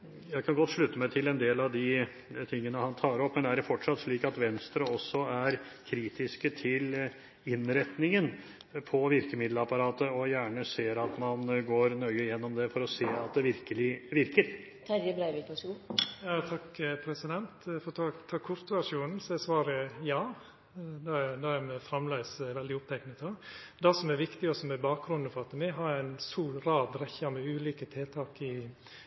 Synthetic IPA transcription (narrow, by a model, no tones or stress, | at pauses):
jæɪkʰɑnɡɔt̪ːʂɭʉt̪ːəmæɪt̪ʰɪlɛnd̪eːlɑʋd̪ɪ | t̪ʰɪŋːənəhɑnt̪ʰɑːɾɔpːmɛnd̪ɛæɖɛfɔʈʂɑt̪ːʂɭiːkɑt̪ʋɛnst̪ɾəɔsːɔæɾkʰɾiːt̪ɪskət̪ʰɪl | ɪnɾɛt̪nɪŋən | pʰɔʋɪɾkəmɪd̪ləɑpɑɾɑːt̪əɔjæːɳəseːɾɑt̪mɑnɡoːɾnœʏəjɛnːɔmd̪ɛfɔɾɔseːɑt̪̚d̪ɛʋɪɾkəlɪʋɪɾkəɾ | æɾjəbɾæɪʋɪlpʰɔsujɑːt̪ʰɑkːpʰɾɛsɪd̪ɛnt̪fɔɾt̪ʰɑt̪ʰɑːkʰɔɾt̪ʋæʂuːnn̩sɔɛsʋɑːɾəjɑː | d̪ɛd̪ɑæɾmɛfɾɑmlæɪsʋɛld̪ɪʊpt̪ʰɛɪknət̪od̪ɛsɔmæɾʋɪkt̪ɪɔsɔmɛbɑːk̚ɡɾʉnd̪̩fɔɾɑt̪ːəmɛɦɑɾæɪnsuːɾɾɑːd̪ɾɛçɑmɛʉːliːkət̪ʰɪlt̪ʰɑːkɪ